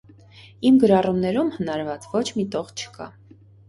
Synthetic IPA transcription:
imɡəɾɑrumnɛɾumhənɑɾvɑt͡svɔt͡ʃʰmit̪ɔʁt͡ʃʰə̥kɑ̰

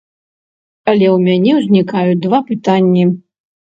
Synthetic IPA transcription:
ɐlʲɛwmʲanʲɛwzʲnʲikajud̪vapɨt̪anʲːi

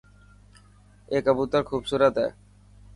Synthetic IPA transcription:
ekabut̪aɾkʰubsuɾad̪ɛe

